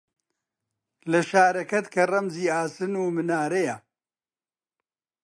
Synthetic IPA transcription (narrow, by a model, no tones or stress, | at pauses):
lɐʃaːɾɐkɐt̪kʰɐrɐmziːaːsɨnuːmɨnaːɾejɐ